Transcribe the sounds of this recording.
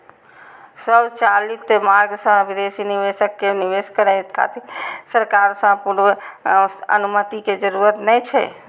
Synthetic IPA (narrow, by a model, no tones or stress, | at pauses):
səbt͡ʃalit̪ʰːemaɾɡsə̃bid̪esiniʋesəkːeniʋeskəɾajt̪kʰa̰t̪esəɾkaɾsə̃puɾʋ | ə̰numət̪iked͡ʒəɾuɾət̪nɛt͡ʃʰɛ̰